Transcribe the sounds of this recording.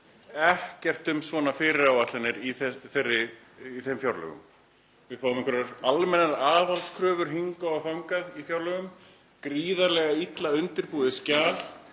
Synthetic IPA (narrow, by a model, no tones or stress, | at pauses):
ɛhcɛr̥t̪ʏmsvɔːnafɪːɾɪɾawat̪lanɪɾiθɛθerːɪː | θemfjawɾlœ̰ɣʏ̰m | vɪðfawʏmɪŋkʰvɛɾaɾalmɛnaðaːvalt̪skʰɾœːvʏɾ̥ɦiŋkaɔθawŋkaðifjawɾlœɣʏm | kɾiːðaɾlɛɣait̪laʏnt̪ɪɾpuːðɪscaːl